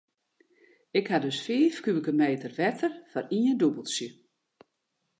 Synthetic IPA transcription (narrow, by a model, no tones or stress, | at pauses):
ɪkhadɵsfiːfkyəkəmeːtərʋɛtərfɔriəndubəlˠsjə